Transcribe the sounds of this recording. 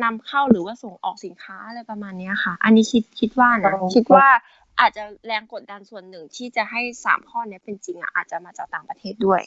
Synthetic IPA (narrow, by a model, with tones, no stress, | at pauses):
na˧mkʰa˥˩wɾɯː˩˦waː˥˩so˨˩ŋʔɔ̰ː˨˩k̚si˩˦nkʰaː˦˥lɤː˧˩jpɾa˧maː˧nːi˦˥kʰa˥˩ʔa˧nːiː˦˥kʰi˦˥t̪̚kʰi˦˥t̪̚waː˥˩na˧˦kʰi˦˥t̪̚waː˥˩ | ʔaː˨˩t̪̚t͡ɕa˨˩lɛː˧ŋko˨˩t̪̚da˧nsu˨˩ənːɯ˨˩ŋt̪ʰiː˥˩t͡ɕa˨˩ɦa˥˩jsa̰ː˨˩˦mpʰɔː˥˩ni˦˥ɐpe˧nt͡ɕi˧ŋʔa̰˨˩ʔaː˨˩t̪̚t͡ɕa˨˩maː˧t͡ɕaː˨˩k̚t̪aː˨˩ŋpɾa˧t̪ʰeː˥˩t̪̚du˥˩əj